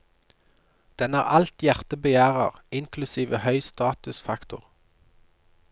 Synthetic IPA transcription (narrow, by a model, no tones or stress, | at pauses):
d̪̥ɛnæːʁɑlt̪jæʁt̪əbəjæːʁəʁɪŋkʰlʉsiːʋəhœʏst̪ɑːt̪ʉsfɑkt̪ʊ̰ʁ